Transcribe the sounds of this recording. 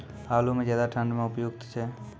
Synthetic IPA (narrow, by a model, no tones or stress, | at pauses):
aːlumẽzjaːd̪aʈʰə̃ɳɖmẽʊpjʊɡt̪t͡ʃʰeː